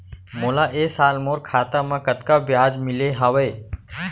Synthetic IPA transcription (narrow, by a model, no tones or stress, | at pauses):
moːlaːʔeːsaːlmoːɾkʰaːt̪amãkət̪kabjaːd͡ʒmɪleɦaːʋəe